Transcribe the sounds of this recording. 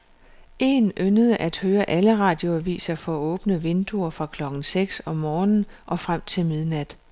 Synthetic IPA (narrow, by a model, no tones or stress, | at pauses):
ʔe̝̰ːnʔønəð̞ˠəʔæd̥høːɐʔæləʁɑ̰̈ːd̥jo̝æʋḭːsɐfɒ̽ɔ̽ːb̥nəʋe̝nd̥uɐfʁɑ̈kʰlɒ̽ɡ̥n̩seɡ̥sɒ̽mːɒːnn̩ʔɒ̽fʁam̰t͡sʰe̝lmið̞ˠnæd̥